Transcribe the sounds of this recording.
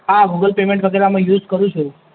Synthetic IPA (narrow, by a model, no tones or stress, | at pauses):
aɡuɡəlpemẽɳʈʋət̪eɾamẽjuzkəɾũt͡ʃʰu